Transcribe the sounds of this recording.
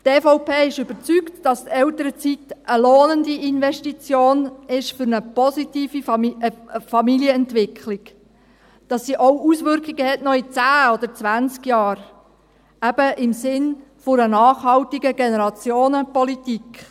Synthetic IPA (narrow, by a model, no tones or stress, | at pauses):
teːfoʊpʰeːɪʃʏb̥əɾt͡syktd̥ɑstɛltəɾət͡sitʔəloːnəndiɪnʋɛʃtit͡sjoːnɪʃfʏɾnəpɔsitiːfi | fɑmiljəɛntʋɪkʰlɪk | d̥ɑsːiʔoʊusʋʏɾkɪɡəhɛtnɔit͡sæːɔd̪əɾt͡sʋænt͡skjɑːɾ | æb̥əɪmsɪnfʊɾənɑːχhɑltiɡəɡenəɾɑt͡sjoːnəpɔlitik